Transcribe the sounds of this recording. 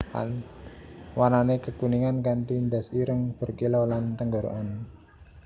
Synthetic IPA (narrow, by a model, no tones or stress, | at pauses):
a̰n | wananekəkuniŋankant̪ind̪asiɾəŋb̥ə̤rkilolant̪əŋɡoɾo̰ʔan